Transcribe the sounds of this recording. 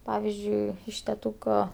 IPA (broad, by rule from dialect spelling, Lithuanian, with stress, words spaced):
ˈpɑːʋʲɪzʲd͡ʒʲʊɪ ɪʃ tʲɛˈtuːkoː